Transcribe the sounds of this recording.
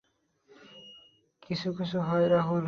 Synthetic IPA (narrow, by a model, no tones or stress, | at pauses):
kisʰukisʰuɦɔjɾʌɦun